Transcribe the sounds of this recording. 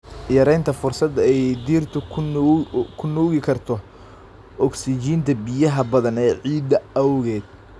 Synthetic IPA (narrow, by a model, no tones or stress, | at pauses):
jɐɾɛjnt̪ʰɐfʊrsɐd̪ɛjd̪iːrt̪ʰʊ | kʰʊnuːɣɪkʰɐrt̪ʰɔ | ʔɔksɪt͡ʃiːnt̪ʰɐbɪjɐɦɐbɐðɐnɛːʕiːd̪ɐɐwɣɛːd̪̥̚